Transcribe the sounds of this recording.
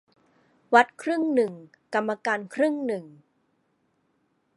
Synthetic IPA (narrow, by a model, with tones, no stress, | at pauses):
wa˦˥t̪̚kʰɾɯ˥˩ŋnɯ˨˩ŋ | ka˧mːa˧kaː˧nkʰɾɯ˥˩ŋnɯ˨˩ŋ